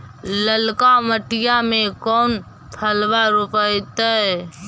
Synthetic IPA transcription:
ləlkaməʈɪjamẽkɔːn | p̪ʰəlwaɾopəjt̪əɛ

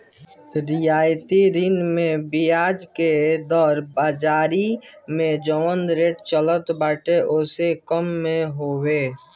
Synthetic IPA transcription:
ɾɪjaːjt̪iɾɪnmẽbijaːd͡ʒked̪ɔːɾbaːd͡ʒaːɾimẽd͡ʒɔənd̪ɾeːʈt͡ʃələt̪baːʈeʔʊsekəmːẽɦoːweː

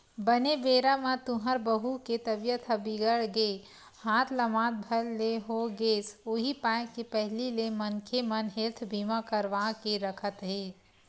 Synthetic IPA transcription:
bəneʋeːɾamãt̪ʊɦəɾbəɦuket̪əbjət̪ʰəbiɡəɽɡe | hãːt̪ʰləmãːt̪̚bʱəlːeɦoɡeːsʊɦipãːkepɛɦlilemənkʰemənɦeːt̪ʰbʱimãkəɾʋaːkeɾəkʰət̪ɦeː

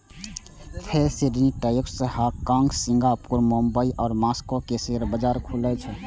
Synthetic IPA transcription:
t̪ʰeseɾniʈəjuksəhakãŋɡsiŋɡapuɾmombəiʔɔːɾmaskokeseɾbəd͡ʒaɾkʰulət͡ʃʰɛ

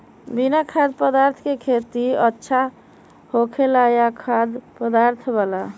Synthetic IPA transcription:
binakʰad̪pəd̪aɾt̪ʰkekʰet̪iətːʃʰa | hokʰelajakʰad̪pəd̪aɾt̪ʰbala

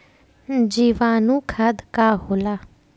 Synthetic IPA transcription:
d͡ʒiːʋaːnũːkʰad̪kaːɦolaː

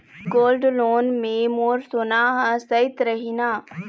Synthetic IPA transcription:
ɡoːlɖloːnmẽmoːɾsonaːɦɐsɐɪt̪ɾɐɦinaː

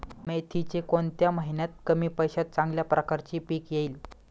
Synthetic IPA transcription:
met̪ʰit͡ɕekont̪jaməɦinjat̪̚kəmiːpəjɕat̪̚t͡sãŋɡljapɾʔəkaɾt͡ɕiːpiːkjeiːl

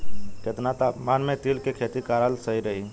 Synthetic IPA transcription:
ket̪nat̪amanmet̪ilkekʰet̪ikaɾəlsəiɾəɦi

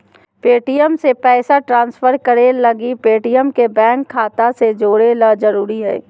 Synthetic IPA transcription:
peːʈijəmsepɛːsaʈɾãːnsfəɾkəɾelɐɡipeːʈijəmkebɛ̃ːŋkʰːaːt̪ased͡ʒoːɽelad͡ʒəɾuːɾiɦɛ̰ː

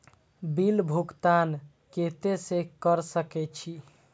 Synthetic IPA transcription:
bilbʱukt̪an | ket̪esekəɾsəkɛt͡ʃʰi

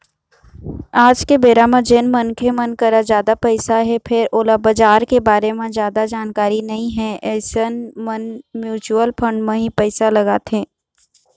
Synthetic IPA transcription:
aːd͡ʒkebeːɾamãd͡ʒenmɐnkʰemɐnkɐɾad͡ʒjaːd̪apɛɪsaɦɛpʰɪɾoːlabɐd͡ʒaːɾkebaːɾemẽd͡ʒjaːd̪ad͡ʒaːnkaːɾinɐɦĩɦɛɛːsənmənmjuːt͡ʃuəlpʰɐ̃ɳɖmẽɦĩpɛːsalɐɡat̪ʰẽː

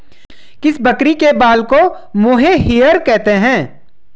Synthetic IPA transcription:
kɪsbɐkɾikebaːlko | moːɦeɦijəɾkɛɦt̪eɦɛ̃ː

